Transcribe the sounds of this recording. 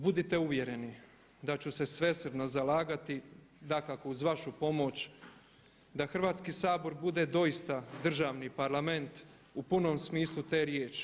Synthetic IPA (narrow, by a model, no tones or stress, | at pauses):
bud̪it̪e̞uʋje̞ɾe̞ni | d̪at͡ɕuse̞sʋe̞sɾd̪nozalaːɡat̪i | d̪akakouzʋaʃupo̞mo̞t͡ɕ | d̪axr̩ʋaːt̪skisaːbo̞ɾbud̪e̞d̪o̞ist̪ad̪r̩ʒaːʋnipaɾlame̞nt̪ | upuno̞msmiːslˠut̪e̞ːɾjeːt͡ʃi̥